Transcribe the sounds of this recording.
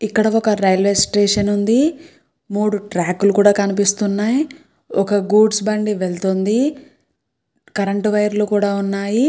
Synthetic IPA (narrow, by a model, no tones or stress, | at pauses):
ikːɐɽɐɔkɐɾɐjlʋesʈɾeːʂɐnund̪i | muːɽuʈɾaːkulukuːɽaːkɐnip̬ist̪unːaːji | ɔkɐɡuːɖsbɐɳɖiʋeɭt̪ond̪i | kɐɾɐɳʈʋɐjɐɾluːkuːɽaːunːaːji